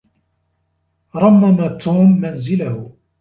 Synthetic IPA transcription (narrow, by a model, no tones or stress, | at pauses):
ɾˤɑmːamat̪ːuːmːanzɪlahʊ